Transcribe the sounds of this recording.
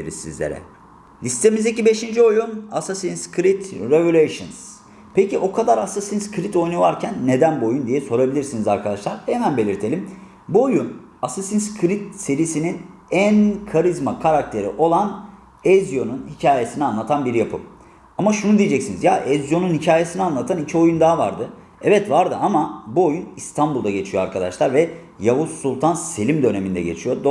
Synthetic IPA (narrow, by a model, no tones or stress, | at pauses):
eɾḭzsizlʲḛɾɛ̰ | lʲist̪ʰe̞mizd̪ecibe̞ʃind͡ʒio̞junasasinskʰɾit̪ɾevolʲeʃɯ̰ns | pʰeciʔo̞kʰad̪aɾasasinskʰɾit̪o̞jnuvaɾcʰænːe̞d̪ænbojund̪ijɛso̞ɾabilʲiɾsinizaɾkʰad̪aʃlˠaɾhemænbe̞lʲiɾt̪ʰe̞lʲim | buojun | asasinskʰɾit̪se̞ɾisininænkʰaɾizmakʰaɾak̚t̪ʰe̞ɾḭʔo̞lˠan | ɛzjo̞nunhicʰaːje̞sinianlˠat̪ʰanbiɾjapʰɯ̰m | amaʃunud̪ijed͡ʒɛcsinizjaʔɛzjo̞nunhicʰaːje̞sinianlˠat̪ʰanicʰio̞jund̪aːvaɾd̪ɯ | ɛvɛt̪vaɾd̪ɯamabuo̞junist̪ʰanbulˠd̪aɟe̞t͡ʃʰijoaɾkʰad̪a̰ʃlˠaɾvɛ | jaɦosːulˠt̪ʰanse̞lʲimd̪ø̞ne̞mind̪ɛ̰ɟe̞t͡ʃʰijo̞d̪